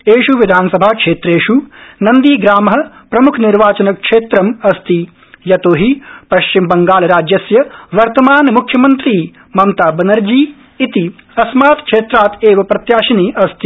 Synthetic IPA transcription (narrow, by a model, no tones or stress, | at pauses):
eːʃuʋid̪ʱaːnɐsɐbʱaːkʂeːt̪ɾeːʃunɐnd̪iːɡɾaːmɦɐ̆ | pɾɐmukʰniɾʋaːt͡ʃɐnɐkʂeːt̪ɾɐmɐst̪i | jɐt̪oːɦipɐʃt͡ʃimbɐŋɡaːlɐɾaːd͡ʒjɐsjɐʋɐɾt̪ɐmaːnmukʰjɐmɐnt̪ɾiː | mɐmt̪aːbɐnɐɾd͡ʒiː | t̪i | ɐsmaːt̪kʂeːt̪ɾaːt̪eːʋɐpɾɐt̪jaːʃɐniːʔɐst̪i̥